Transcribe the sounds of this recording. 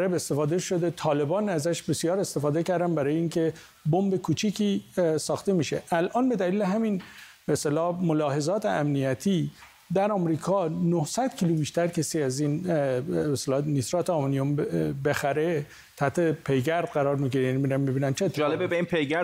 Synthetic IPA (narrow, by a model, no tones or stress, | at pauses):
ɾebe̞st̪e̞fɒːd̪e̞ʃo̞d̪e̞t̪ʰɒːle̞bɒːnæzæʃbe̞sijɒːɾe̞st̪e̞fɒːd̪e̞cæɾd̪ænbæɾɒːjeiːŋkʰe̞ | bombekʰuːt͡ʃʰiːcʰiːsɒːxt̪e̞miːʃeʔælʔɒːnbe̞d̪æliːleɦæmin | beːst̪elɒːmolɒːɦe̞zɒːt̪ʰḛʔæmnijæt̪ʰiː | d̪æɾɒːmɾiːkʰɒːnohsæd̪cʰiːlubiːʃt̪æɾcʰesiæzin | best̪elɒːnisɾɒːt̪ʰeɒmnijombe̞xæɾe̞ | t̪ʰæht̪ʰe̞pʰe̞jɡæɾd̪̥̚ɢæɾɒːɾmiɡiɾejænimiɾænmibiːnænt͡ʃʰed͡ʒɒːlebebeinpʰejɡæ